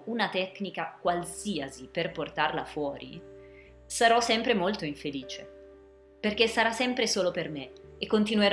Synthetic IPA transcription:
unat̪ɛkːnikakwalsiːaziperport̪arla̰fwɔːɾḭ | saɾɔsːɛmpɾemolt̪oiɱfeliːt͡ʃe | perkesːaɾasːɛmpɾesoːlopermeekːont̪inueɾ

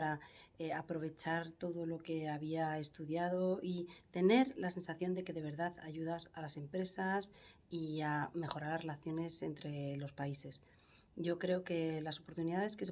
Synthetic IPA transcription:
ɾaeapɾo̞β̞e̞t͡ʃaɾt̪o̞ðo̞lo̞ke̞aβiae̞st̪uðjað̞o̞it̪e̞ne̞ɾlase̞nsaθjo̞nd̪e̞ke̞ðe̞β̞e̞ɾðaðaʝuðasalase̞mpɾe̞sas | iame̞xo̞ɾaɾare̞laθjo̞ne̞se̞̰nt̪ɾe̞lo̞spaise̞s | ɟ͡ʝo̞kɾe̞oke̞laso̞po̞ɾt̪uniðaðe̞ske̞s

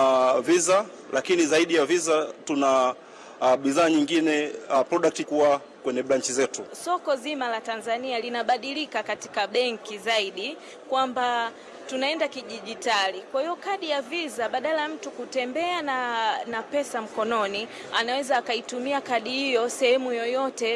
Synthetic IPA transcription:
viza | lakinizaiɗijavizatuna | ɓiðaːɲiŋɡinɛapɾɔɗak̚tikuwa | kwɛɲɛɓɾaɲt͡ʃizɛtusɔkɔzimalatanzanialinaɓaɗilikakati̥kaɓɛŋkizaiɗi | kwamba | tunaɛndakiʄiʄitalikwahijɔkaɗijavizaɓaɗalajam̩tukutɛmbɛananapɛsam̩kɔnɔni | anawɛzaːkaitumiakaɗihijɔsɛhɛmujɔjɔtɛ

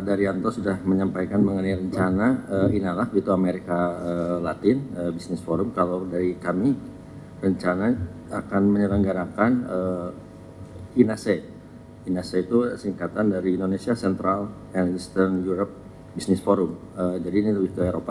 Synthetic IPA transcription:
daɾiant̪ɔsudahməɲampajkanməŋənajɾəɲt͡ʃanaəinalahbəɡit̪uameɾikaəlat̪ɪnəbisnɪsfoɾʊmkalawdaɾikami | rəɲt͡ʃana | akanməɲələŋɡaɾakanə | inase | inaseit̪usiŋkat̪andaɾiːndonesiasɛnt̪ɾal | ɛnist̪ərnjuɾɔp̚ | bisnɪsfoɾʊm | əd͡ʒadiniɡit̪ueɾopa

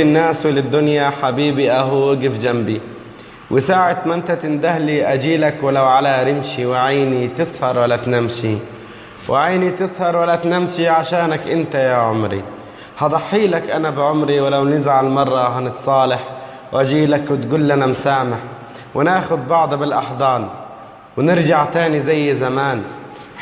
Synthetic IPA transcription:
ɪnːaːswɪlɪd̪ːʊnjaħabiːbiʔaɦuːɡɪfd͡ʒambi | wʔɪsaːʕɪt̪mʔɪnt̪at̪ɪnd̪ahliʔad͡ʒiːlakwɪlawʕalaɾɪmʃiwɪʕajːnit̪ɨsˤhɑɾˤwalːat̪namʃi | wɪʕajnit̪ɨsˤhɑɾˤwalːat̪namʃiʕaʃaːnakʔɪnt̪ajaːʕʊmɾḭ | hɑd̪ˤɑħːiːlakʔanabɪʕʊmɾiwɪlawnɪzʕalmɑrˤːɑɦanɪt̪sˤɑːlɪħ | wʔad͡ʒiːlakwɪt̪ɡuːlːanamsaːmaħ | wɪnaːxʊd̪̚bɑʕd̪ˤbɪlʔɑħd̪ˤɑːn | wɪnɪɾd͡ʒaʕt̪aːnizajːzamaːn

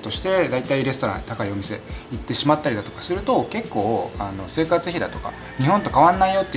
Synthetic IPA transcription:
t̪o̞ɕi̥t̪e̞d̪ait̪aiɾe̞sɨ̥t̪oɾã̰nt̪akaio̞mʲise̞it̪ːe̞ɕimat̪ːaɾʲid̪at̪o̞kḁsɨɾɯ̟t̪o̞ke̞kːo̞ːano̞se̞ːkat͡sɨçid̪a̰t̪o̞ka̰ | ɲ̟ihɦõ̞nt̪o̞kaβãnːaijo̞t̪ːe

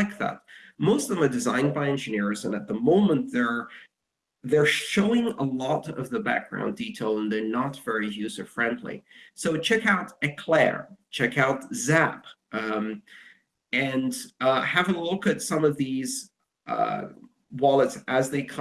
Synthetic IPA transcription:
lɪk̚ðæ̰t̚moʊstʌvðə̃mə˞dɨzãɪ̃nbaɪɛ̃nd͡ʒɨnɪɹzə̃nɨt̪̚ðəmõʊ̃mə̃nðə˞ | ðə˞ʃoʊɪ̃ŋə̰lɔɾʌvðəbæ̰k̚ɡ̥ɹã̰ʊ̃nditʰeɪlˠə̃nðə˞nətv̥ɛɹijʉsə̥˞fɹɛ̃ndˡlḭsoʊt͡ʃʰɛkaʊɾɨkʰl̥ɛ̰ɹt͡ʃʰɛkaʊt̚z̥æp | ɨ̃nhɨvəlʊkɨtsʌ̃mʌvðiz̰ | wɑlˠətsʔɨzðeɪkʰ

